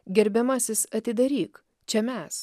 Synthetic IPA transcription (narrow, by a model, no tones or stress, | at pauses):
ɡʲɛɾʲbʲɛmɐsʲɪsɐt̪ʲɪd̪ɐɾʲiːk | t͡ʃʲɛmʲɛs